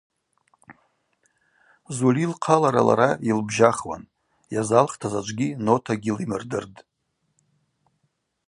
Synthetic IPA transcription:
zulilqʰalaɾa̰la̰ɾailbʒaχwa̰n | jazalχtʰazat͡ʃʷʼɡʲino̞tʰaɡʲilimɨrdɨrdʼ

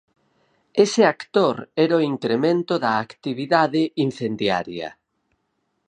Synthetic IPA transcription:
esɪakt̪oɾɛɾoiŋkɾemẽnt̪ʊðɐːkt̪iβiðaðɪin̟θend̪ja̰ɾjɐ̰

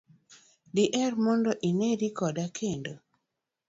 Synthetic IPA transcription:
dɪʔɛrmɔndɔʔineɾikɔdakʰendo

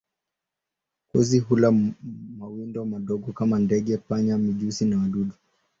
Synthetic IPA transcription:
kuzihulamawindɔmaɗɔɠɔkamandɛɠɛpaɲamiʄusinawaɗuɗu

